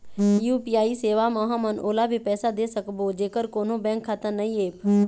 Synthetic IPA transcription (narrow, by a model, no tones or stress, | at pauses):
juːpiːaːiːseːʋaːmaːɦãːmənoːlaːbʱiːpɛːsaːd̪eːsəkboːd͡ʒeːkəɾkoːnõːbɛ̃ːŋkʰːat̪ənəĩːeːp